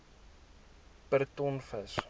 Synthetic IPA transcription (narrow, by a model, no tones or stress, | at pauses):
pərt̪ɔnfəs